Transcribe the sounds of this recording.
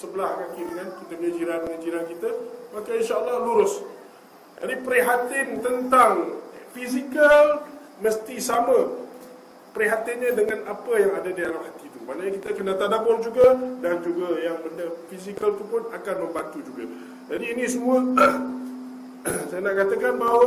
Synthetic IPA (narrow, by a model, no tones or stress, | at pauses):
səbəlahkakidəŋankit̪əməɲəd͡ʒiɾanməɲəd͡ʒiɾankit̪amakainʃaəlːɑhluɾʊs | d͡ʒadipəɾiɦat̪ɪnt̪ənt̪aŋfisikal | məst̪isamã | pəɾiɦat̪ɪnɲədəŋãnapəjaŋadadialamhat̪it̪umanaɲakit̪əkənat̪adabʊrd͡ʒuɡadand͡ʒuɡajaŋbəndəfisikalt̪upʊnakanməmbant̪ud͡ʒuɡa̰ | d͡ʒadiːnĩsəmuə | sajanaʔkat̪akanbaɦwa